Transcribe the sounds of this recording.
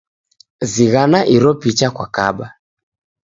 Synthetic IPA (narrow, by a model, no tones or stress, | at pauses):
ziɣanaʔiɾɔpit͡ʃakwakaɓa